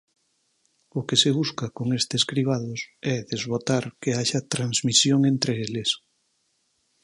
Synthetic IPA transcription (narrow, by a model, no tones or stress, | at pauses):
ʊkeseβ̞uskakoŋest̪eskɾiβ̞aðʊsɛðezβot̪aɾkeaʃɐt̪ɾanzmisjoŋent̪ɾeeles